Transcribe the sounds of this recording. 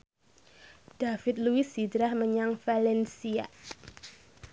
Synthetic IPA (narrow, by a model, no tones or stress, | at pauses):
d̥afɪt̪̚luɪsidɾahməɲaŋfalɛnsia̰